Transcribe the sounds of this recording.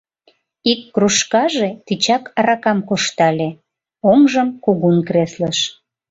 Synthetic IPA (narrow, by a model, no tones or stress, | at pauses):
ikːruʃkɑʒet̪it͡ɕɑkɾɑkɑmkoʃt̪ɑlʲe | oŋʒəmkuɣunkresləʃ